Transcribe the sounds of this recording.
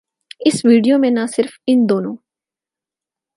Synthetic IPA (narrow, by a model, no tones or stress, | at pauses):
ɪsʋiːɖijomẽnasɪɾfɪnd̪oːnõː